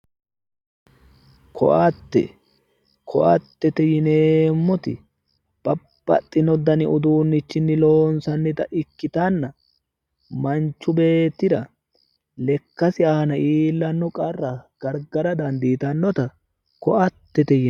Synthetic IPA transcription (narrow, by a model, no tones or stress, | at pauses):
kʰɔ̰ʔat̪ːɛ̰ | kʰɔʔɐt̪ːɛt̪ɛjɪneːmːɔt̪ɪ̰ | b̥ɐb̥ːɐ̰t̪ʼːɪnɔd̪ɐnɪʊd̪uːnːɪt͡ʃːɪnːɪlo̞ːnsɐnːɪt̪ɐʔɪkːɪt̪anːɐ | mɐnt͡ʃːʊbe̞ːt̪ːɪd̪ɐ | lɛkːɐsɪaːnɐiːlːɐnːɔkʼɐrːɐɡ̥ɐɾɡɐɾɐd̪ɐnd̪iːt̪ɐnːɔt̪ɐ | kɔʔɐt̪ːɛt̪ɛjɪ